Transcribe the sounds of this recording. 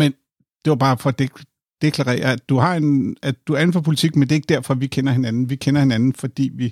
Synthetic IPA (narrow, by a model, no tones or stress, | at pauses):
men | d̥e̝ʋɑb̥ɑ̈ːfɒd̥e | d̥e̝kʰlæʁɛ̰ːɐæ̥d̥uhɑ̈e̝næ̥d̥uæɐe̝nfæpʰo̝lit͡sʰiɡ̥mend̥e̝eɡ̥̚d̥æɐ̰fɒ̽ʋikʰenɐhe̝nænn̩ʋikʰenɐhe̝nænn̩fɒ̽d̥ḭːʋi